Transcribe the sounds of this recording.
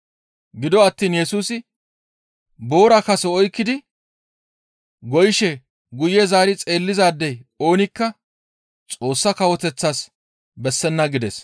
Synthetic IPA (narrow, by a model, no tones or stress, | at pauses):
ɡɪd̪ɔɐt̪ːiːnjɛsuːsɪ | bo̞ːɾɐkɐsɛɔjkːɪd̪ɪ | ɡɔjɪʃɛ | ɡʊjɛzaːɾɪt͡sʼe̞ːlːɪzaːd̪ːɛjo̞ːnɪkːɐ | t͡sʼo̞ːsːɐkɐwɔt̪ɛt͡sːaːs | bɛsːɛnːɐɡɪd̪ɛs